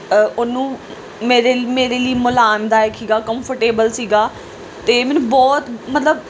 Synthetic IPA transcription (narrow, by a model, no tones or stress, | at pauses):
ʊnũː | meːɾeːmeːɾeːliːmʊlaːmd̪aːɛːksiːɡaːkəmpʰəɾʈeːbəlsiːɡaː | t̪eːmɛːnũːbɔːt̪mət̪ləb